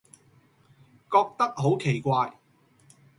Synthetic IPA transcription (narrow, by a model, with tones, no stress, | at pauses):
kɔː˧k̚t̪ɐ˥k̚ɦo˨˥wkʰe˨˩jkʷaː˧j